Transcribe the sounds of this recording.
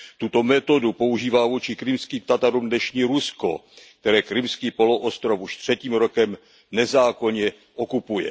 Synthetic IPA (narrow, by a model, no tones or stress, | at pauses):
t̪ut̪o̞mɛt̪o̞dupo̞uʒiːvaːvuːt͡ʃɪkɾɪmskiːmt̪at̪aɾumdnɛʃɲiːɾusko̞̰k̚t̪ɛɾɛːkɾɪmskiːpo̞lo̞ʔost̪ɾo̞fuʃt̪r̝̥ɛciːmɾo̞kɛm | nɛzaːko̞ɲɛ | ʔokupujɛ̰